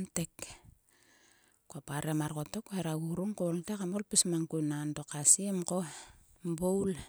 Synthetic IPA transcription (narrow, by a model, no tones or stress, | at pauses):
ntek | kuapaɾemaɾkotokoeɾaɡuɾuŋkontekamolpismaŋkunandokasiemko | mbowl